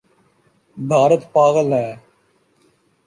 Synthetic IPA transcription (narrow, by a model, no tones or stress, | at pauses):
bʱaːɾət̪paːɣəlɦɛ̃ː